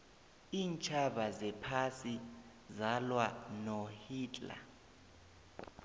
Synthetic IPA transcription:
iːnt͡ʃʰaɓazɛpʰasi | zalwanohiːt͡ɬʼla̰

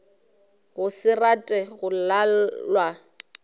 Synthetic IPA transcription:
ɣʊsɪratʼɛɣʊlallwa

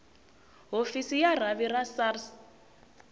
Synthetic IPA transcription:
ɦofisijar̤aβirasars

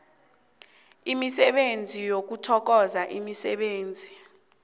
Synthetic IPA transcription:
imisɛɓend͡zʱijok̬utʰɔk̬ɔzaʔimisɛ̰ɓeːnd͡zʱi

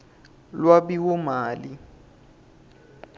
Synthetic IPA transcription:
lwabiwʊmaːli

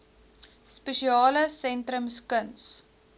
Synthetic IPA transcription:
spəʃiɑːləsɛntɾəmskəns

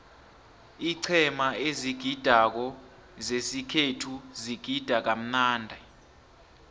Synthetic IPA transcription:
iǀʰɛmaeziɡ̥ʱid̥ʱak̬ɔ | zesikʰetʰuziɡ̥ʱid̥ʱak̬am̩naːndʱɛ

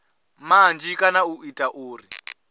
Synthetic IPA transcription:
maand͡ʒikʼanauitʼaʔuːri

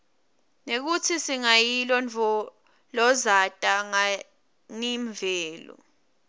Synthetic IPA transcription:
nek̬utʰisiŋajilɔnt͡fɔ | lɔzatʼaŋa | ŋiɱvʱɛːlɔ̰

